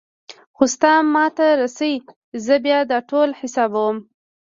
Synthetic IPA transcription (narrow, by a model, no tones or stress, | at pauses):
xost̪ɑmːɑt̪aɾasawi | zəbjɑd̪ɑʈolhɪsɑbawəm